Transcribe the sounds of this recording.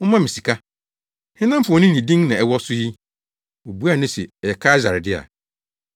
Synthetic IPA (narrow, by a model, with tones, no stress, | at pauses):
ʊ˦mã˦mĩ˨si˨kʰa˦ | hɪ̃˦nã˦m˦fʊ˨ɔ˨nɪ̃˦nĩ˨dĩ˦ŋnã˨ɛ˨wɔ˦sʊ˦ji˦ | wo˨bu˦a˦˨nʊ̃˦se˨ɛ˨jɛ˨kʰaː˦za˨ɾɪ˨dɪ˦a̰˨